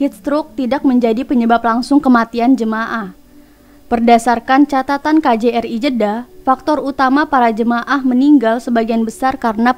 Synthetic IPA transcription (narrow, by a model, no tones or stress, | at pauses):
hit̪̚st̪ɾʊk̚t̪idak̚məɲd͡ʒadipəɲəbaplaŋsʊŋkəmat̪iand͡ʒəmaʔah | b̥ərdasarkant͡ʃat̪at̪ankad͡ʒeɛrid͡ʒədafak̚t̪ɔrut̪amapaɾad͡ʒəmaʔahməniŋɡalsəbaɡianbəsarkaɾəna